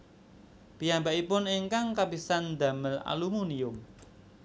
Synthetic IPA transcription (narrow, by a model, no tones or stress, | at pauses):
pijambaʔipʊneŋkaŋkabisand̪a̤məla̰lumuniʊm